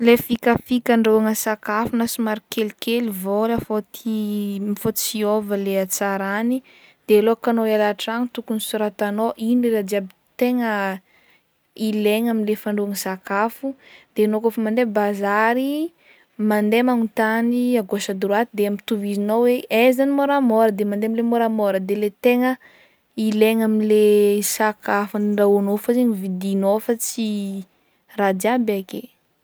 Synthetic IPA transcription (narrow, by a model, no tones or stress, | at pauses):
lefikafikaɳɖ͡ʐowaŋəsakafunasumaɾikelikʰelivolafot̪ʰimifot͡siovəleat͡saɾani | d̪̥ealoakanoalaʈ͡ʂaŋit̪ukunisuɾat̪anoʔiniɾad͡z̪iabit̪eŋə | ileŋaminlefaɳɖ͡ʐuaŋəsakafud̪̥enokofamand̪ebazaɾi | mand̪emaŋut̪aniaɡosad̪uɾuat̪id̪eamit̪uvizinoweezanimoɾamɔɾəd̪emand̪emilemoɾamɔɾəd̪elet̪eŋə | ileŋaminlesakafaniɳɖ͡ʐawanofəzeɲivid̪inofət͡si | rad̪iabake